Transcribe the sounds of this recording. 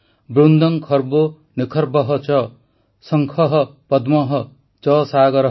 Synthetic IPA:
bɾund̪ʌŋkʰʌɾbo | nikʰʌɾbʌɦʌt͡ʃʌ | sʌŋkʰʌɦʌpʌd̪mʌɦʌ | t͡sʌsaɡʌɾ

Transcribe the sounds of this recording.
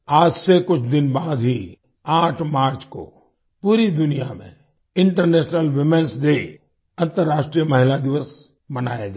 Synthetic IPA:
aːd͡ʒsekʊt͡ʃʰd̪ɪnbaːd̪ɦi | aːʈʰmaːɾt͡ʃko̰ | puːɾid̪ʊnijamḛ̃ | ɪ̃ɳʈəɾneːʃnəlʋɪmẽnsd̪e | ɐ̃nt̪əɾːaːʃʈɾijəmɐɦɪlad̪ɪʋəs | mɐna̰ːjad͡ʒa

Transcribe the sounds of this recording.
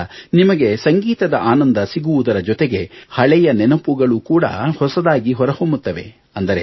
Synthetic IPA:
nimɐɡe̞sɐŋɡiːt̪ɐd̪ɐʔaːnɐnd̪ɐsiɡuʋud̪ɐɾɐd͡ʒɔt̪eɡe̞hɐɭɛjɐnɛnɐpuɡɐɭukuːɽɐ̰hɔsɐd̪aːɡiɦɔɾɐhombut̪ːɐʋe̞̰ | ɐnd̪ɐɾe

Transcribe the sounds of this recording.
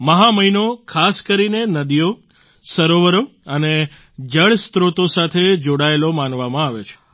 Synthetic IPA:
məɦaməinokʰaskəɾinenəd̪ijo | səɾoʋəɾoəne | d͡ʒəɭst̪ɾot̪osat̪ʰed͡ʒoɽaelomanʋamãaʋet͡ʃʰe̥

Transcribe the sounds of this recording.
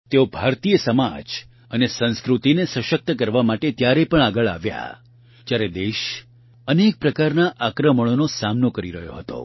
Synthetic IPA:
t̪eobʱaɾt̪ijəsəma̰d͡ʒ | ənesə̃nskɾut̪inesəʃək̚t̪əkəɾʋamaʈet̪jaɾepəɳaɡəɭa̰ʋja̰ | d͡ʒjaɾed̪eʃ | ənek̚pɾəkaɾnaʔakɾəməɽ̃onosamnokəɾiɾəɦjo̰ɦət̪o̰

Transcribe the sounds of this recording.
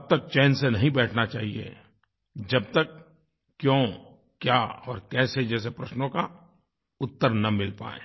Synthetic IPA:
ɐb̚t̪ɐk̚t͡ʃɛːnsenɐɦĩbɛːʈʰnat͡ʃaːɦiḛ | d͡ʒɐb̚t̪əkː | jõː | kjaɔːɾkɛːsed͡ʒɛːs̬epɾɐʃnõka | ʊt̪ːəɾnɐmɪlpa̰ːḛ̃ː

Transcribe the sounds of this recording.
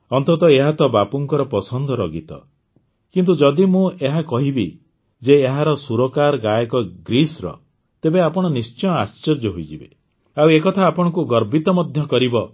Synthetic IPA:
ɔnt̪ɔt̪ɔeɦat̪ɔbapuŋkɔɾɔpɔsɔnd̪ʱɔɾɔɡit̪ɔ̰ | kint̪ud͡ʒɔd̪imũeɦakɔɦibi | d͡ʒeːɦaɾɔsuɾɔkaɾɔɡajɔkɔɡɾisɾɔ̰ | t̪ebeapɔɽ̃ɔnist͡ʃɔjɔast͡ʃɔd͡ʒɔɦoid͡ʒibe | awekɔt̪ʰaːpɔɽ̃ɔkuɡɔɾbit̪ɔmɔd̪ʱjɔkɔɾibɔ

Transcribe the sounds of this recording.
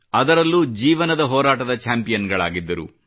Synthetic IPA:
ɐd̪ɐɾɐlːud͡ʒiːʋɐnɐd̪ɐɦɔːɾaːʈɐd̪ɐt͡ʃaːmpijɐnɡɐɭa̰ːɡid̪ːɐɾṵ

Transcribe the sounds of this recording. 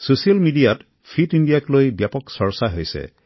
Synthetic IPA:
susijalmiɖiat | pʰitinɖijaklojbjapɔksɔɹsaɦojsɛ̰

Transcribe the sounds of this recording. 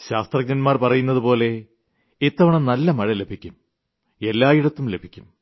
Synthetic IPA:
ɕaːst̪rɐk̚ɲɐnmaːrpɐrɐjunːɐðupo̞ːle̞ | et̪ːɐʋɐɳɐmnɐlːɐmɐɻɐle̞bʱikʲːum | e̞lːaːjiɽɐt̪ːumle̞bʱikʲːum

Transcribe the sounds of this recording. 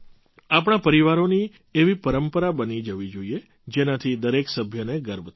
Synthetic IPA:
ap̬ɽ̃apəɾiʋaɾoni | eʋipəɾəmpəɾabənid͡ʒəʋid͡ʒoie | d͡ʒenat̪ʰid̪əɾeksəbʱjəneɡəɾbt̪ʰ

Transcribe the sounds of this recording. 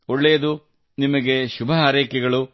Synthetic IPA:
oɭːeːɐd̪u | nimɐɡe̞ʃubʱɐɦaːɾɛːkɛɡɐɭu

